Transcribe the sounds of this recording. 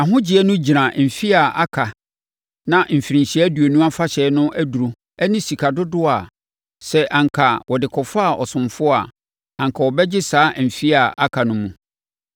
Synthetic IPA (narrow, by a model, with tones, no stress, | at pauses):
a˨ɦʊ̃˦d͡ʑi˨ɛ˦nʊ̃˦d͡ʑi˨ɾã˨m̩˨fi˦a˨a˦kʰa˨ | nã˨m̩˨fi˨ɾĩ˨ɲɕi˨˦æ˦du˨e˨nũ˦a˦fa˦ɕɛ˨˦nʊ̃˦ʔæ˦du˨ɾu˨ | ɛ˦nĩ˦si˨kʰa˨dʊ˦dʊ˦a˨ | sɛ˦˨ʔã˨ŋkʰa˨wɔ˨dɪ˨kʰɔ˨fa˦˨ɔ˨sʊ̃˨mfʊ˦a˨ | ã˨ŋ˨kʰa˨wɔ˨bɛ˦d͡ʑɪ˦saː˦m̩˨fi˦a˨ʔa˦kʰa˨nʊ̃˦mũ˨